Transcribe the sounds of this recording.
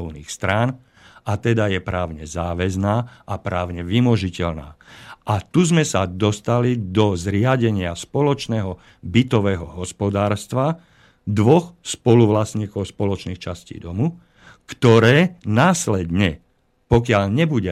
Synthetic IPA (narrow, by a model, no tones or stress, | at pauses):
ɔʊniːxst̪ɾaːn | at̪ɛd̪ajɛpɾaːʊɲɛzaːʋɛznaːʔapɾaːʊɲɛʋimɔʒicɛʎna̰ːʔat̪uzmɛsad̪ɔst̪alid̪ɔzɾɪaɟɛɲɪaspɔlɔt͡ʃnɛːɦɔ | bit̪ɔʋɛːɦɔɦɔspɔd̪aːɾst̪ʋa | d̪ʋɔxspɔluʋlasɲiːkɔʊspɔlɔt͡ʃniːxt͡ʃascḭːd̪ɔmu | kt̪ɔɾɛːnaːslɛd̪ɲɛ | pɔkɪaʎɲɛbuɟɛ